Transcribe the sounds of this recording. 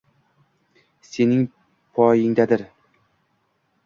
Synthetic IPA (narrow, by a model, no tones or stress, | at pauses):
se̞nɪŋ | pʰɒjɪŋd̪ad̪ɪɾ